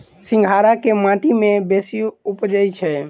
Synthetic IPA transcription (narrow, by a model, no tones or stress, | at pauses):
sĩŋɡʱaɾakemãʈimebesiupd͡ʒəjt͡ʃʰɛ